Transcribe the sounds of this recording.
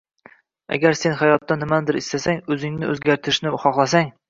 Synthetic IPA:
æ̰ɡʲæɾsenχæjɒt̪ːɑnɪmænd̪ɪɾist̪æsæŋɵzɪŋnɪɵzɡʲæɾt̪ʰɪɾɪʃnɪχɒχlˠɑs̬æŋ

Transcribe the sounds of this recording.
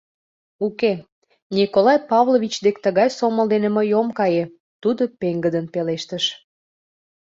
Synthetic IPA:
uke | nʲikolɑjpɑvlˠovʲit͡ɕd̪ekt̪əɣɑjsoməld̪eneməjomkɑje | t̪ud̪opeŋɡəd̪ənpeleʃt̪əʃ

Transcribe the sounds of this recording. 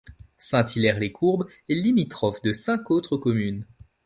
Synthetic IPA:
sɛ̃t̪ilɛʁlekʰuʁb | elimit̪χɔfd̪əsɛ̃kot̪χəkɔmyn

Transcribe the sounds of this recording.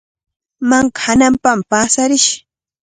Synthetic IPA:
mɑɴɢɑ̥hanampampaːsaɾɪʃ

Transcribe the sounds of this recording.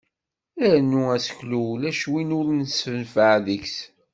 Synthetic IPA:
ænːuæsə̥çlulæʃwinʊɾnəsfənfəʕðəçs

